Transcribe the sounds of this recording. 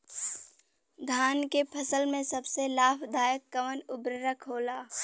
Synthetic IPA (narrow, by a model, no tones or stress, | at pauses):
d̪ʱaːnkepʰɐsəlmẽsɐbselaːpʰd̪ʱaːjəkːəʋənʊbɾəɾəkʰɦoːlaː